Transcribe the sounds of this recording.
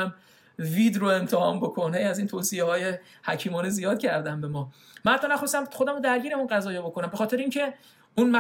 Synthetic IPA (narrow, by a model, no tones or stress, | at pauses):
æm | vid̪ɾoe̞mt̪ʰehɒːnbo̞kʰonhejæziːnt̪ʰoːsijehɒːje | hæcʰiːmɒːnezijɒːd̪̚cʰæɾd̪æmbe̞mɒː | mænhæt̪ʰːɒːnæxo̞st̪æmxo̞d̪æmod̪æɾɟiːɾæmunɢæzɒːjeːbo̞kʰo̞næmbe̞xɒːt̪ʰeɾeincʰe̞ | unmæ